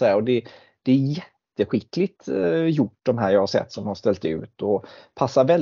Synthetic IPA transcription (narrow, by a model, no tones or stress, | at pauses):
ɛaɔd̪ɛ | d̪̥ɛæjɛt̪ːəɧɪkːlɪt̪jʊʈːd̪ɔmɦæːɾjɑːhaɾʂɛ̰t̪ːsɔmjhaʂt̪ɛlt̪ʉ̟̰ːt̪ɔpʰasːaɾvɛl